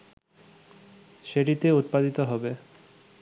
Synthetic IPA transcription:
ʃeʈit̪eut̪̚pad̪it̪oɦɔbe

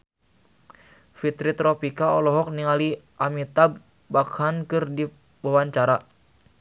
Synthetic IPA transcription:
fit̪ɾit̪ɾɔpikaɔlɔɦɔk̚niŋaliʔamit̪abː | akhankɨrdi | wawaɲt͡ʃaɾa

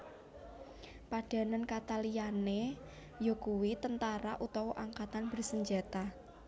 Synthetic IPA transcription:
paɖ̥ä̤nankat̪aliane | jokuwit̪ənt̪aɾa̰ʔut̪ɔwoʔaŋkat̪anb̥ərsəɲd͡ʒa̤t̪a

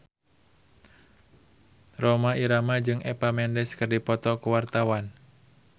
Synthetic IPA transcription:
romaiɾamad͡ʒɨŋɛpamɛndɛskɨrdipɔt̪ɔkuwart̪awan

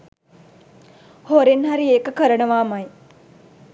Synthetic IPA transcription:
hoɾenɦaɾieːkəkəɾənəʋaːmaj

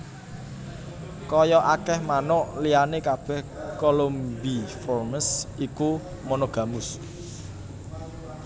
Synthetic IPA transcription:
kɔjɔʔakɛhmanʊʔlijanekab̥ɛ̤hkolombifɔrməsiku | mɔnoɡ̥ä̤mʊs

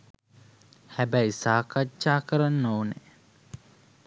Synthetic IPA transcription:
hæbæjisaːkaʃaːkəɾanːoune

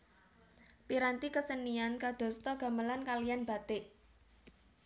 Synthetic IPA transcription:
piɾant̪ikəsəniankad̪̥ɔ̤st̪ɔɡ̥a̤məlankalijanb̥a̤t̪ɪʔ

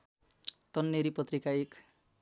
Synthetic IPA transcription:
t̪ʌnːeɾipʌt̪rikaek

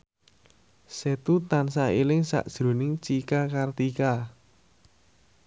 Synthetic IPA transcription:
set̪ut̪ansailɪŋsa̰ʔd̥ʒ̥ɾo̤nɪŋt͡ʃikakart̪ika

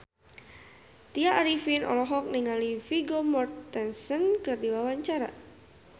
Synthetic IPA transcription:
t̪iaʔaɾifinʔɔ̰lɔɦɔk̚niŋalifiɡomɔrt̪ːɛnsənkɨrdiwawaɲt͡ʃaɾa̰

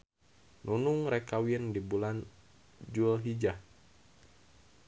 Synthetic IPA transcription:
nʔunuŋrɛkawiəndibulan | d͡ʒuəlɦid͡ʒa

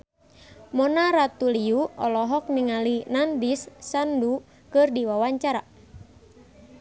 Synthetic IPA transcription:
mɔnaɾat̪uliuɔlɔɦɔk̚niŋalinandisːandu | kɨrdiwawaɲt͡ʃaɾa

